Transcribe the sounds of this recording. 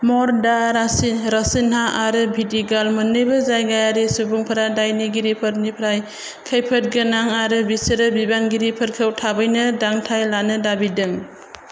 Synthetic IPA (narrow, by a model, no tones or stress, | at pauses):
mɔɾdaɾasinɾasinɦaaɾɯbʱidiɡalmɯnːɯjbɯzajɡajaɾisubuŋpʰɯɾadajniɡiɾipʰɯɾnipʰɾaj | kʰəjpʰɯt̚ɡɯnaŋaɾɯbisɯɾɯbibanɡiɾipʰɯɾkʰɯwtʰabɯjnɯdaŋtʰajlanɯdabidɯŋ